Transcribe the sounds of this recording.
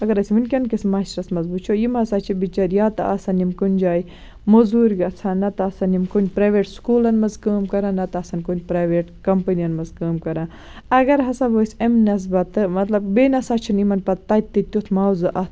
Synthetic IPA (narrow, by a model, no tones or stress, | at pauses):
ɐɡɐɾɐsʲiminʲkʲɐnkismɐʃɾɐsmɐzbut͡ʃʰojimhɐsaːt͡ʃʰibit͡ʃɐɾjaːt̪ɐ̰ʔɐsɐnimkunʲd͡ʒaːj | mozuːɾʲɡɐt͡sʰaːnɐt̪ɐɐsɐnimkonʲpɾaːʋeːʈskuːlɐnmɐzkəːmkɐɾãːnɐt̪ɐɐsɐnkonʲpɾaːʋeʈkɐmpɐniɐnmɐzkəːmkɐɾaː | ɐɡɐɾɦɐsabosʲɐmnɐs̬bɐt̪ɨmɐt̪lɐb̚beːnɐsat͡ʃʰinimɐnpɐt̪ːɐt̪ːit̪ʲjut̪ʰmaːwzɨʔɐ